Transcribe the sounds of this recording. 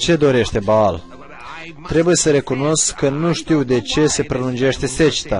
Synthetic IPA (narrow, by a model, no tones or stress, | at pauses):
t͡ʃe̞d̪o̞ɾe̞ʃt̪e̞baal | t̪ɾe̞buje̞səɾe̞kuno̞skʰːənuʃt̪iwd̪e̞t͡ʃe̞se̞pɾelund͡ʒe̞ʃt̪e̞se̞t͡ʃi̥t̪a